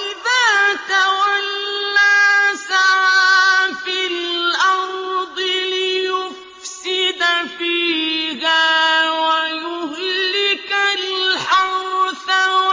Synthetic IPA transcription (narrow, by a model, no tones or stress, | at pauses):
ʔɪðaːt̪awalːaːsaʕaːfilʔɑɾˤd̪ˤɨlɪjʊf | sɪd̪afiːɣaːwajʊhlːɪkalħɑɾθa